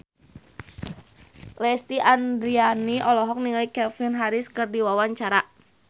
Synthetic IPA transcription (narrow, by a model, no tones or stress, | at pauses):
lɛst̪iʔandɾianiʔɔlɔɦɔk̚niŋajkɛfinɦaɾɪskɨrdiwawaɲt͡ʃaɾaʔ